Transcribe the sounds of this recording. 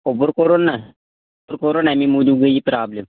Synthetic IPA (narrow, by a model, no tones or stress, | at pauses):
obəɾkoːɾoːna | bəɾkoːɾoːnɛmĩːmuːd͡ʒuːɡəipɾaːbləm